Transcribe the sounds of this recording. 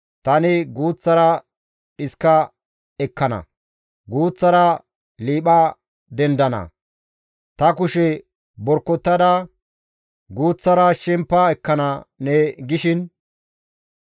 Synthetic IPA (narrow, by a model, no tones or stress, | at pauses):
t̪ɐnɪɡuːt͡sːɐɾɐ | ɗɪskːɐ | ɛkːɐnɐ̰ | ɡuːt͡sːɐɾɐ | liːɓɐ | d̪ɛnd̪ɐnɐ̰ | t̪ɐkʊʃɛ | bɔɾkːɔt̪ːɐd̪ɐ | ɡuːt͡sːɐɾɐʃɛmpːɐɛkːɐnɐnɛɡɪʃɪn